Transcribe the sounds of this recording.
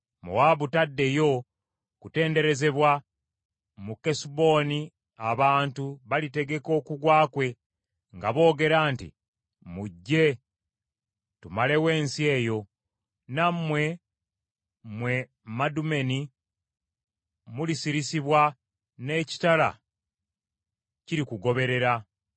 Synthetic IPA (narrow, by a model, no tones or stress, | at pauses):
mṵwaβutadːe̞jo̞ | kute̞ːnde̞ɾe̞ze̞βwa | mukesubo̞ːni | aβaːntuβalite̞ɡe̞ko̞ːkuɡwaːkwe̞ | ŋɡaβo̞ːɡe̞ɾaːntḭ | muɟːe̞ | tumale̞we̞ːnsie̞ːjo̞ | nammːwe̞ | mwe̞ | madume̞ni | mulisiɾisiβwa | ne̞ːci̥tala̰ | ciɾikuɡo̞βe̞ɾe̞ɾa